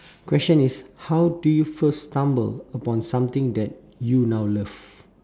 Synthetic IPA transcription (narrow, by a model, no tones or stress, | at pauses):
kwɛst͡ʃə̃nishawdujufəstãmbə̰ləpɔ̃nsãmt̪ɪ̃ŋdɛt̚ | junawləv̥